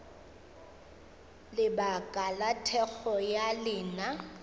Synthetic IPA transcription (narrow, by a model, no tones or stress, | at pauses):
lɪbakʼalatʰɛk͡xɔjalɪːna